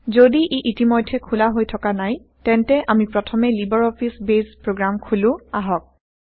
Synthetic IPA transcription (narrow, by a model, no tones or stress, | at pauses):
zodiʔeʔitimojdʱʰɛkʰulaɦojtʰɔkanaj | tɛntɛʔamipɹɔtʰɔmɛlibɔɹɔpʰisbezpɹoɡɹamkʰulʊ̃aɦɔk̚